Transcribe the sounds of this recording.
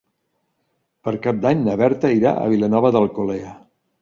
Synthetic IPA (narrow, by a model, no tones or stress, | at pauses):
pəɾkap̚d̪aɲnəβɛɾt̪əiɾa̰ə̰β̞ilənɔβəðəlˠkoleə